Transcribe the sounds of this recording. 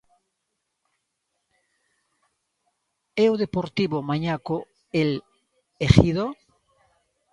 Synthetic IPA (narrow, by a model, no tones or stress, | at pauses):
ewðepoɾt̪iβomaɲako | el | exiðo